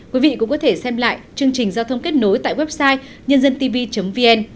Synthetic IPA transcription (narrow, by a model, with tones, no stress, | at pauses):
kwi˨˦vḭ˧˨kʊ̰˧˥ŋ͡mkɔ˨˦t̪ʰe˧˩sɛ˧mla̰ː˧˨jt͡ɕɨ˧əŋt͡ɕï˨˩ŋ̟zaː˧wt̪ʰə˧wŋ͡mke˦˥t̚no˨˦jt̪a̰ː˧˨jwɛ˦˥p̚saː˧j | ɲə˧nzə˧nt̪i˧vi˧t͡ɕə˨˦ŋ͡mvi˧ʔɛ˧n